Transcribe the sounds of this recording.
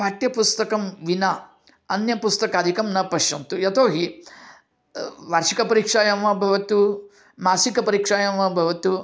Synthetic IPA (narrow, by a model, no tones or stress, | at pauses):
paːʈ̪jɐpust̪ɐkɐmʋina | ɐnjɐpust̪ɐkaːd̪ʱikɐmnɐpɐʃjɐnt̪ujɐt̪oːɦi | ʋaːɾʂikɐpɐɾikʂaːjɐmʋɐbʱɐʋɐt̪u | maːsikɐpɐɾiːkʂaːjɐmʋɐbʱɐʋɐt̪u